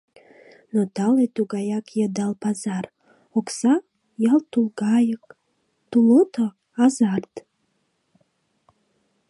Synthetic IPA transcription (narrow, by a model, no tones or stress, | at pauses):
not̪alet̪uɡajakʰjəd̪alpazar | oksa | jalt̪ulˠɡɑjək | t̪ulot̪ʰə | azart̪